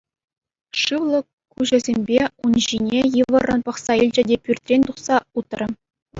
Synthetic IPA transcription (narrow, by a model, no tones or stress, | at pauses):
ʂɯʋlˠɤ̆ | kːuʑɘ̆zʲemʲbʲeunʑinʲejivɤ̆rɤ̆npɑχsɑilʲd͡ʑɘ̆dʲepʲyrʲt̪ʲrʲenʲt̪uχsɑut̪ɤ̆rɤ̆